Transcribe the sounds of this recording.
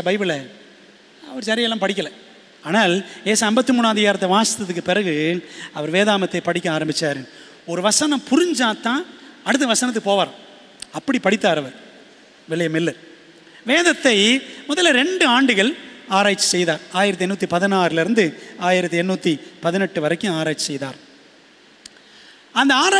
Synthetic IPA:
ɐbɐɪbɪlɐ | ɐ̰ʋɐɾsɐɾɪjɐɪlːãːpɐɽɪkːɐlɐ̃ | aːnaːljeːsɐmbɐt̪ːɯmuːnːaːðɪjaːɾɐt̪ːɐʋaːsɪ̥t̪ɐðɯkːɯpɪɾɐɣɯɐʋɐɾʋeːðaːmɐt̪ːɐɪpɐɽɪkʲːɐaːɾɐmbɪt͡ʃːaːɾen | ɔɾɯʋɐsɐnɐ̃mpʊɾɪɲd͡ʒaːt̪ːãːɐɽɯt̪̬ːɯʋɐsɐnɐt̪̬ːɯkːɯpoːʋaːɾɐ̃ | ɐpːɐɽipɐɽɪt̪ːaːɾɐʋɐɾ | ʋɛɭɐjɐmɪlːɐɾ | ʋeːðɐt̪ːɐɪmɔðɐlɾɛɳɖɯaːɳɖɯɣɐɭaːɾaːɪt͡ʃːɯ̥sɛjðaːɾaːjɪɾɐt̪ːɯɛnːuːt̪ːipɐðɪnaːɾɪlɪɾɯnd̪ɯaːjɪɾɐt̪ːɯɛnːuːt̪ːipɐðɪnɛʈːɯʋɐɾɐɪkːʊ̃aːɾaːt͡ʃːsɛjðaːɾ | ɐnd̪ɐaːɾa

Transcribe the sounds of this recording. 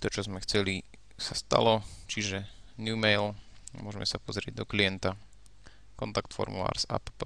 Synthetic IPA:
t̪ɔt͡ʃɔzmɛxt͡sɛli | sast̪a̰lɔt͡ʃiʒɛ | nuːmɛjlmʊɔʒɛmɛsapɔzɾɪɛ̰ɟ̚d̪ɔkliɛnt̪a | kɔnt̪akt̪fɔ̰ɾmṵla̰ːɾz̥a̰pp

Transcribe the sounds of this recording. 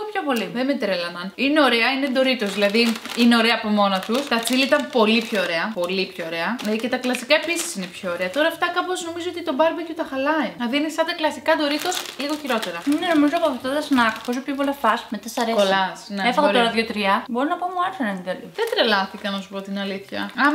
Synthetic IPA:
pçopo̞liðemed̪ɾelɐnɐnine̞o̞ɾe̞ɐined̪o̞ɾit̪o̞zðilɐði | ine̞o̞ɾeɐːpo̞mo̞nɐt̪ust̪ɐt͡silit̪ɐmpo̞lipço̞ːɾe̞ɐpo̞lipçooɾe̞ɐece̞t̪ɐklɐsikɐe̞pisi̥sine̞pço̞ːɾeɐt̪o̞ɾɐːft̪ɐkɐpo̞zno̞mizoot̪it̪o̞bɐɾbec̪ut̪ɐxɐlɐinɐðinesɐnd̪ɐklɐsikɐd̪o̞ɾit̪o̞sliɣoçiɾo̞t̪e̞ɾɐneno̞mizoɐpɐfot̪ot̪ɐsnɐkposopçop̬olɐfɐsmet̪esɐɾeoslɐsneefɐɣɐoɾɐðjot̪ɾiɐbo̞ɾonɐpɐmuɐɾfɐnɐnid̪ɐliðed̪ɾe̞lɐθikɐnɐsu̥po̞t̪inɐliθçɐ̰ɐm

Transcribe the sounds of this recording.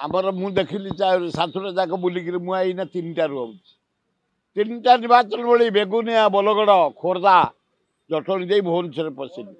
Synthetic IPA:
a̰mɔɾɔmũd̪ekʰilit͡ʃaɾsat̪ʰuɾad͡ʒakɔbulikiɾimũainat̪inʈaɾuaut͡ʃʰi̥ | t̪inʈanibat͡ʃɔnbɔɭibeɡunijabɔlɔɡɔɽɔkʰoɾd̪a | d͡ʒɔʈʰɔɽ̃ĩd̪ejbʱont͡ʃʰɔɾepɔsʰili

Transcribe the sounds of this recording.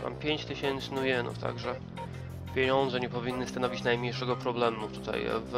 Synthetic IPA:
ma̰mpʲjeɲt͡ɕt̪ɘɕɛnt̪sɘnujɛnṵft̪a̰ɡʐɛ | pʲjeɲɔnd̪zɛɲɛpɔvʲinːɘst̪anɔvʲit͡ɕnajmɲejʂɛɡɔpɾɔblɛmut̪ut̪a̰j̰v

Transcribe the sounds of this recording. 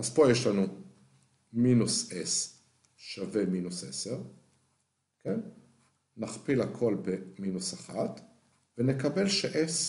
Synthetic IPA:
ʔazpo̞jeʃlanu | minuses | ʃave̞minusʔe̞̰se̞ʁ | ken | naχpilakʰo̞lbeminusaχat̪ | vene̞kabe̞lʃeʔes

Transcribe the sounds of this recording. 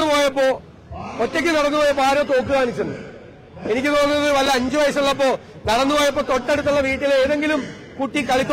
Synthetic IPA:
ɨpo̞ːjɐpːo̞ː | otːek̬ʲːɨnɐɽɐnːɨpo̞ːjɐpːoːaːɾoːt̪o̞ːk̬ːɨðaːnit͡ɕːunːɨ̰ | e̞nikʲːɨt̪uɽɐnːɐðɨʋɐlːɐɐɲd͡ʑɨʋɐjɐsɐmɐɭːɐp̬ːo̞ː | nɐɽɐnːɨpo̞ːjɐp̬ːo̞ːt̪o̞ʈːe̞ɽut̪ːuɭːɐʋiːʈːileeːðe̞ŋɡilum | kuʈːikɐɭit̪ː

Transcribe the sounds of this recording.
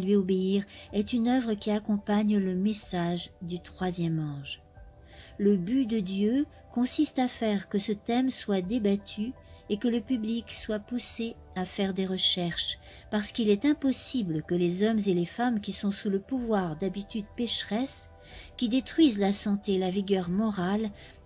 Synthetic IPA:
lɥiobeiʁɛt̪ynœvʁəkʲiakɔ̃paɲləmesaʒd̪yt̪χwazjɛmɑ̃ʒ | ləbyd̪əd̪jø | kɔ̃sist̪afɛʁkəsət̪ɛmswad̪ebat̪ʰy | ekələpyblikswapuse | afɛʁd̪eʁəʃɛʁʃ | paʁsə̥kilɛt̪ɛ̃pɔsiblkəlezɔmzelefamkʲisɔ̃suləpuvwaʁd̪abit̪yd̪pɛʃχɛs | kʲid̪et̪χwɥizlasɑ̃t̪elaviɡʲœʁmɔʁal

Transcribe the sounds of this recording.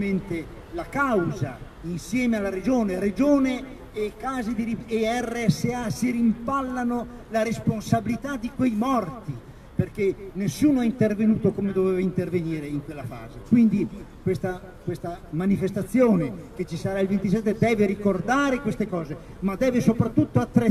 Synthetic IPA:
ment̪e | lakawza | insjɛːmealːaɾed͡ʒoːneɾed͡ʒoːneː | kːaːzed̪iɾieɛrːeɛsːeasiɾimpalːano | laɾesponsabilit̪ad̪ikwejmɔrt̪i | perkenesːuːnoaint̪ervenuːt̪okoːmed̪ovɛːvaint̪erveniːɾeiŋkwelːafa̰ːzekwind̪ikwest̪a | kwest̪amanifest̪at̪sːjoːneket͡ʃːisaɾailvent̪is̬ɛt̪ːed̪ɛːveɾikord̪aːɾekwest̪ekɔːze | mad̪ɛːvesopɾat̪ːut̪ːoat̪ːɾe

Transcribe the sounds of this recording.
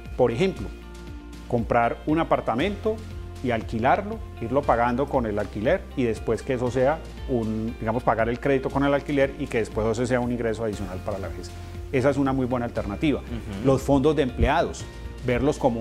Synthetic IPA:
po̞ɾe̞xe̞mplo | ko̞mpɾaɾunapaɾt̪amẽ̞nt̪o̞ | ialkilaɾlo̞ | iɾlo̞paɣand̪o̞ko̞ne̞lalkile̞ɾiðe̞spwe̞ske̞esose̞a | und̪iɣamo̞spaɣaɾe̞lkɾe̞ðit̪o̞ko̞ne̞lalkile̞ɾike̞ðespwesos̬es̬e̞aunĩŋɡɾe̞soaðisjo̞nalpaɾala̰βe̞s | e̞saes̬unamujbwe̞naːlt̪e̞ɾnat̪iβalo̞sfo̞nd̪o̞zd̪eempleaðos | be̞ɾlo̞sko̞mo

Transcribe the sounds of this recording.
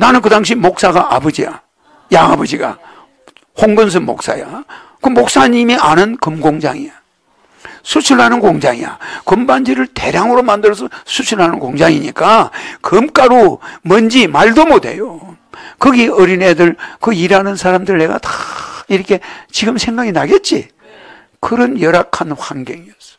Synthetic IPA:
nanɯnkɯdaŋɕ̬ʰimok̚s͈aɡaʔabʌd͡ʑija̰ | jaŋabʌd͡ʑiɡa̰ | hoŋɡɯns̬ʰɯnmo̰k̚s͈a̰ja | kɯmok̚s͈aɲimianɯnkɯmɡoŋd͡ʑaŋia | sʰut͡ɕʰuɭhanɯnkoŋd͡ʑaŋija̰kɯmband͡ʑiɾɯɭt̪e̞ɾjaŋɯɾomandɯɾʌs̬ʰʌsʰusʰuɭɦanɯnkoŋd͡ʑaŋiɲik͈akɯmk͈aɾomʌnd͡ʑimaɭdomode̞̰jo | kɯɡiʌɾinedɯɭkɯiɾanɯnsʰaɾamdɯɾɯɭne̞ɡa̰tḁiɾʌkʰe̞t͡ɕiɡɯmsʰe̞ŋɡaɡinaɡet̚t͡ɕ͈ḭ | kɯɾʌnjʌɾakʰanhaŋɡjeŋiʌs͈ʌ̥

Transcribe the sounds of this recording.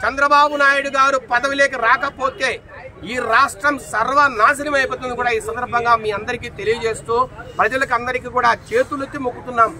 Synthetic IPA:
t͡ʃɐnd̪ɾɐbaːbunaːjuɽuɡaːɾupɐd̪ɐʋile̞ːk̬ɐɾaːkɐpo̞ːt̪e̞ː | iːɾaːʂʈɾɐmsɐɾʋɐnaːs̬ɐnɐmɐjpoːt̪und̪ikuːɽaːiːsɐnd̪ɐɾbʱɐŋɡaːmiːɐnd̪ɐɾik̬iːt̪e̞lijɐd͡ʒe̞ːst̪uːpɾɐd͡ʒɐlɐkɐnd̪ɐɾikiːkuːɽaːt͡ʃe̞ːt̪ulut̪ːimukːut̪unːaːm

